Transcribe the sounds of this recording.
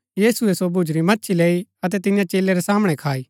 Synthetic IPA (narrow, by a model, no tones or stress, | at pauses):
jiːsuesobʱʊd͡ʒɾimɐtːʃʰileːiɐt̪̬ɛt̪ɪnɪjãt͡ʃeːleɾesaːməɽ̃ekʰaːi